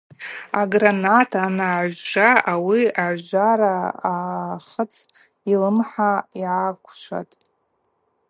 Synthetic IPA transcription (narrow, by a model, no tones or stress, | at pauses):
aɡranatʰanaʒʒaawiaʕʒʷaɾaaχət͡sʰ | ilɨmħaiʕakʷʰʂa̰tʼ